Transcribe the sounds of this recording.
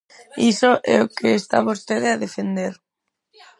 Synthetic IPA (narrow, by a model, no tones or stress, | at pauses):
isoʔɛ̰okʰeːst̪a̰βost̪eðeaðefend̪eɾ